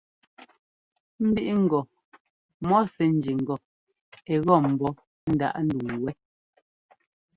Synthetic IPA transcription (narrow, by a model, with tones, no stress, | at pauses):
m̩˦bi˦ʔi˦ŋ̩˨ɡɔ˨ | mɔ˦sɛ˨n̩˦d͡ʒi˨ŋ̩˨ɡɔ˨ | ɛ˨ɣɔ˦˨m̩˨bɔ˦ | n̩˦da̰˦ʔn̩˦du˨ŋ˨wɛ˦